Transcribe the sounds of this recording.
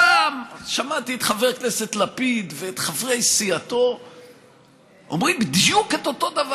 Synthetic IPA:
amʃamat̪iet̪χaveʁknese̞t̪lapid̪veːt̪χavʁejsiat̪o̞ | o̰mʁimbid̪juket̪o̞t̪o̞d̪av

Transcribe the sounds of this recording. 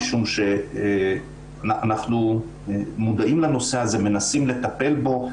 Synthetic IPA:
ʃumʃe | anaχnu | mud̪aʔimlano̞seɦazeme̞nasimle̞t̪ape̞lbo̞

